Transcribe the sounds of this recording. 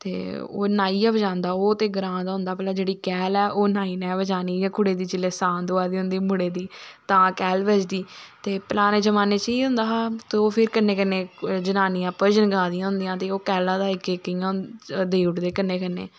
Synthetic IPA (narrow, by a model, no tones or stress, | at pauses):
t̪ḛːo̰ːnaːiːãːʋəd͡ʒãːnd̪aːoːt̪eːɡɾãːd̪aːɦʊ̃nd̪aːpəlaːd͡ʒeːɽiːkɛːlɛːʔoːnaːiːnɛ̃ːʋəd͡ʒaːniːjãːkʰʊɽeːd̪iːt͡ʃɪlːeːsãːnd̪oaːd̪iːɦʊ̃nd̪iːmʊɽeːd̪iːt̪ãːkɛːlʋəd͡ʒd̪iːt̪eːpəlaːneːd͡ʒəmaːneːt͡ʃəiːɦʊ̃nd̪aːat̪eːoːpʰɪɾkənːeːkənːeːd͡ʒənaːnijãːpəɾd͡ʒənɡãːd̪ɪjãːɦʊ̃nd̪ɪjãːt̪eːoːkɛːlãːd̪aːɪkekːəãːd̪eːʊʈd̪eːkənːeːkənːḛː